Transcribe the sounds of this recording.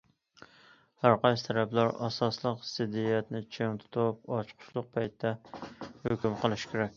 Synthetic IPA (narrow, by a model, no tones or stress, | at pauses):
hæɾqɑjst̪ʰæɾɛplæɾɑ̰sɑslˠəqsɪd̪iɛt̪nɪt͡ʃʰeŋt̪ʰt̪ʰop̚ɑt͡ʃqʰʊ̥ʃlˠʊq̚pʰɛjt̪d̪ːɛhøkʲymqʰəlˠɨʃkʲeɾɛkʲ